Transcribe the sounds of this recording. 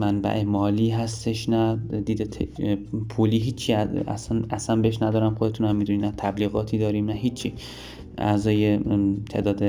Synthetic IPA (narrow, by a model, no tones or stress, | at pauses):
mænbæ̰ʔemɒːliːɦæst̪e̞ʃnæd̪iːd̪et̪ʰepʰuliːɦiːt͡ʃʰːiææ̰sænʔæsænbeheʃ̬næd̪ɒːɾæmxod̪et̪ʰuːnæmːiːd̪uninæt̪ʰæbliːɣɒːt̪ʰiːd̪ɒːɾiːmnæɦiːt͡ʃʰːi | æ̰zɒːjet̪ʰe̞ːd̪ɒːd̪e